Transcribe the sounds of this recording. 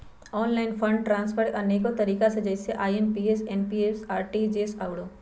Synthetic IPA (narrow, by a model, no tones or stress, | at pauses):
ɔːnlaːɪnpʰə̃ɳɖ̚ʈɾãːnspʰəɾʈʔɐneːkõt̪ɐɾiːkased͡ʒəɪseʔaːjenpiːeseːnpiesaːɾʈid͡ʒeːsaːɽoː